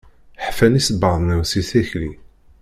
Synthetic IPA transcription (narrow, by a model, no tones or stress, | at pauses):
ħfænisəbɑðˤnæwsiθæçli